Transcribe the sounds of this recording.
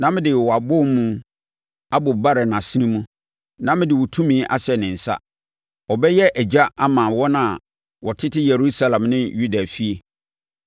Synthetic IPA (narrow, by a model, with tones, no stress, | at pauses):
nã˦mɪ̃˦dɪ˨wɔ˨a˨bʊ˦m˦mũ˦ | a˦bʊ˨ba˦ɾɛ˨nã˨sɪ˦nĩ˦mũ˦ | nã˦mɪ̃˦dɪ˨wɔ˨tʰũ˦mĩː˦ʔa̰˦sɛ˨nɪ̃˨n̩˨sa̰˦ | ɔ˨bɛ˦jɛ˦ʔæ˨d͡ʑa˦a˦mãː˨wɔ˦nã˨ | wɔ˨tʰɪ˦tɪ˦je˨ɾu˦sa˦lã˨mnɪ̃˦ju˦da˨fi˦e˨